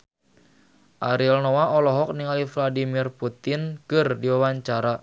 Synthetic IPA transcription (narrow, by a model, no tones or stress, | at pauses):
ʔaɾilnɔwaʔɔlɔɦɔk̚niŋalifladimirput̪ɪnkɨrdiwawaɲt͡ʃaɾa